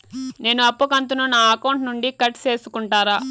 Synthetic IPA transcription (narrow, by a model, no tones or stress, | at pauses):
ne̞ːnuɐpːɐkɐnt̪̬ununaːɐkɐwɳʈnuɳɖikɐʈt͡ʃe̞ːsukuɳʈaːɾaː